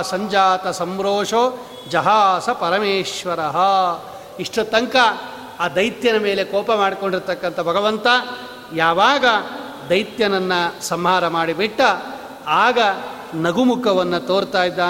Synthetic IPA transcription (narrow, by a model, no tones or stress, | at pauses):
sɐɲd͡ʒaːt̪ɐsɐmɾoːʂo | d͡ʒɐɦaːsɐpɐɾɐmeːʃʋɐɾɐɦɐ | iʂʈɐt̪ɐŋkɐ | aːd̪ɐjt̪jɐnɐme̞ːle̞kɔːpɐmaːɽikoɳɖiɾt̪ɐkːɐnt̪ʰɐbʱɐɡɐʋɐnt̪ɐ | jaːʋaːɡɐ | d̪ɐjt̪jɐnɐnːɐsɐmɦaːɾɐmaːɽibiʈːɐ | aːɡɐ | nɐɡumukɐʋɐnːɐt̪oːɾt̪aːjid̪ːaː